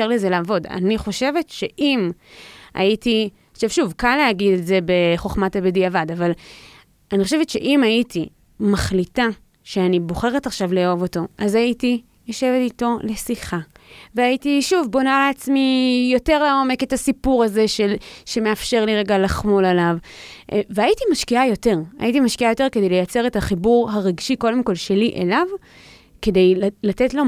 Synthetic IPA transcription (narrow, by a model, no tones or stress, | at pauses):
eʁleze̞laːvo̞da̰niχo̞ʃe̞ve̞tʃe̞ʔim | a̰jiti | oʃevʃuvkaleaɡideze̞be̞χo̞χmatabediavadaval | aniχo̞ʃe̞vetʃe̞̰ʔimaitʰi | maχlita | ʃeanibo̞χe̞ʁetaχʃavleo̞vo̞to̞ʔazaiti | joʃe̞vetito̞le̞siχaveajitiʃuvbo̞naleat͡smijo̞te̞ʁlao̞me̞ke̞tasipuʁaze̞ʃelʃe̞me̞afʃe̞ʁliʁeɡalaχmo̞lalav | veajitimaʃkiajo̞te̞ʁa̰jitimaʃkiajo̞te̞ʁkede̞jlejat͡se̞ʁethaχibuʁɦaʁeɡʃiko̞demko̞lʃe̞liʔelav | ke̞de̞jllatetlo̞